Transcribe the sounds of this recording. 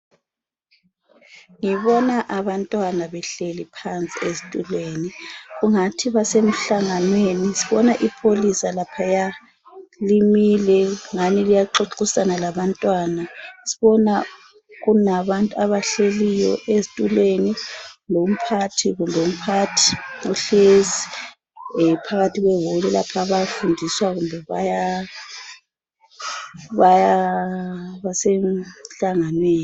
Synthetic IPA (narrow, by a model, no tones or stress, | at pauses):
ŋiβɔnaʔaβantʼwanaβɛɬelipʰant͡sʼiezitʼulweːniɣuŋatʰiβasem̩ɬaŋanwenisiβɔnaʔipʰolisalapʰaja | limilɛŋanilijaǁoǁusanalaβantʼwanasiβɔna | ɣunaβantʼuaβaɬelijɔ̰ʔezitʼuleninom̩pʰatʰiɣundʱom̩pʰatʰi̥ɔɬezi | pʰaɣatʰiɣwɛwulɛla̰pʰaβafundʱiswaɣumbʱɛβa̰ja | βaja | βasɛɬaŋanweːn